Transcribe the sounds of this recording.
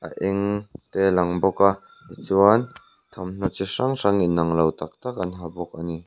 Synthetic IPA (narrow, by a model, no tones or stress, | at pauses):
ʔa̰ʔiŋt̪elɐŋbɔka | it͡suan | t̪ʰɔmn̥ɔt͡siʂaŋsaŋinːɐŋlɐwt̪ɐk̚t̪ak̚ɐnɦabɔk̚ani